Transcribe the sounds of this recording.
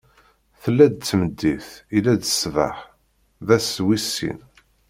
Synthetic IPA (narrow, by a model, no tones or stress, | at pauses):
θəlːæd̪̚t͡sːməd̪ːiθilæd̪əsvə̰ħ | ðæswisːḭn